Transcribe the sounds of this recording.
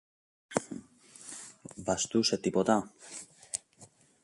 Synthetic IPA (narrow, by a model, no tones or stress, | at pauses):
vɐst̪uset̪ipot̪ɐ